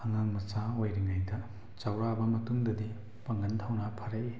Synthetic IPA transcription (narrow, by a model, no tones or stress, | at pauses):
ɐŋaŋmɐt͡ʃaojɾiŋajdɐ | t͡ʃawɾabɐmɐtuŋdɐdi | pɐŋɡɐntʰawnɐpʰɐɾɐj